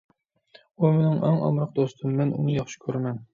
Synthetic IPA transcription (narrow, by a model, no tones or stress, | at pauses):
umenɪŋʔɛŋɑ̰mɾəq̚d̪ost̪ʰɨmːɛnʔṵnɨjɑχʃɪ̥kʲʰøɾmɛn